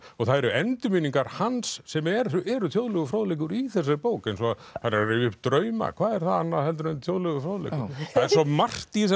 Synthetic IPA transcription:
ɔɣθaðɛɾʏɛnt̪ʏmiːniŋkaɾ̥hansːɛmɛɾɛɾʏt̪ʰjowðlʏɣʏfɾoːwðlejk̬ʏɾiθɛs̬ːɪpoːwkɪnsɔa | θanːaɾrɪːvɪʏpt̪ɾœɥma̰kʰvaːðɛɾ̥θaanːaðhɛlt̪ʏɾnt̪ʰjowðlʏɣʏfɾoːwlḛjkʏθaðɛɾsɔmar̥t̪is̬

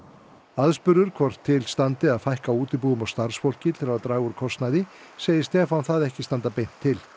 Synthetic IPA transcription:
aðspʏɾðʏɾ̥kʰvɔr̥t̪ʰːɪlst̪ant̪ɪaðfajhkauːt̪ɪpuːɣʏmawst̪aɾ̥sfowl̥cɪt̪ʰɪlavaðt̪ɾaːɣʏɾkʰɔst̪najðɪ | seːjɪst̪ɛfawnθaðɛhcɪst̪ant̪apejn̥t̪ʰːɪl

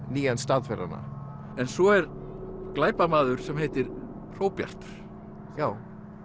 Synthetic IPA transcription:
niːjanst̪aðfɛra̰nːa̰ | ɛnsɔɛɾklaːjpamaːðʏɾ̥sɛmheːjt̪ɪɾ̥ | r̥owpja̰r̥t̪ʏɾ̥ | jaːw

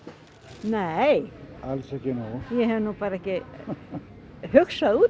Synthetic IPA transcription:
nejalsɛhcɪnujɛhɛvnupaːɾaɛhcɪ | hʏxsaðuː

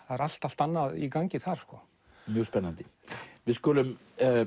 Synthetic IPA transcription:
θaðɾal̥t̪al̥t̪anːaðikaɲcɪθaɾ̥skɔ | mjœɣspɛnːant̪ɪvɪðskɔːlʏm

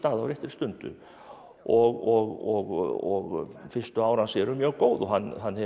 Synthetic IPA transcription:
t̪aːðawɾɛht̪ɪɾ̥st̪ʏnt̪ʏ̰ | ɔɣɔɣɔɣɔɣfɪ̥st̪ʏaːwɾansɛɾʏmjœːɣkoːwðɔɦanːɦanːhɛ

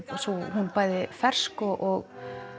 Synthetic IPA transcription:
suɦunpaːjðɪfɛr̥skɔʔɔɣ

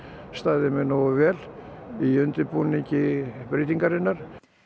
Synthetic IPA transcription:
st̪aːðɪmɪnɔɣvɛːliʏnt̪ɪpuniɲcɪpɾɪːt̪iŋkaɾɪnːaɾ̥

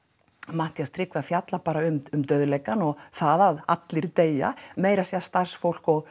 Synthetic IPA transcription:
maht̪jast̪ɾɪkvafjat̪lapaːɾaʏmʏmt̪œðlɛjkanɔɣθaðaða̰t̪lɪɾt̪eːja̰meːjɾasjiast̪ar̥sfowl̥kɔɣ

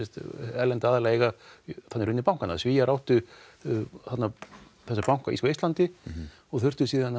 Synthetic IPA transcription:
ɛst̪ɛlɛnt̪ɪaːðɛlaeɣaθat̪nɛɾʏnːɪpawŋ̥kana̰sviːjaɾawht̪ʏ | θat̪na | θɛsːapawŋ̥kaḭskːejst̪ant̪ɪ | ɔɣθʏr̥t̪ʏsiːðana

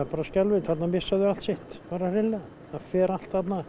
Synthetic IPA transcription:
paːɾascɛlvɪt̪θat̪namɪsːaðʏalt̪sɪht̪paɾarɪlːɛ | afɛːɾal̥t̪hat̪na

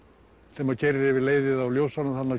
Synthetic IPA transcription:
θɛmaðcɛrːɪvɪðleːjðɪðawljowsanahanːa

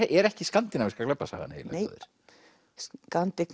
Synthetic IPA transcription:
ɛɾɛhcɪskant̪ɪnamɪskaklɛpːasa̰ɣa̰nːḛjl̰ej̰ðɪ̰ɾ̥ | skant̪ɪk

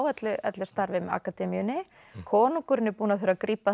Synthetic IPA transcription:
wɛt̪lʏɛ̰t̪lɪst̪aɾvɪma̰kat̪ɛːmijʏnːɪ | kʰɔːnuŋkʏɾɪnːɪɾpuːnaθwɛɾakɾiːpa

